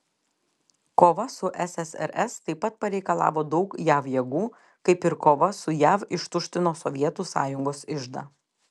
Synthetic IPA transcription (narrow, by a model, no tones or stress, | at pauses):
koːʋɐsʊʔɛsɛsɛ̰ɾʔɛst̪ɐɪpːɐt̪̚pɐɾʲɛɪkɐlˠɑ̰ːʋoːd̪ɐʊkjæːʋjɛɡuː | kɐɪpɪɾkoːʋɐsʊjæːʋɪʃt̪ʊʃʲt̪ʲɪnoːsɔʋʲiɛt̪uːsɑ̰ːjʊŋɡoːsɪʒd̪ɑ̰ː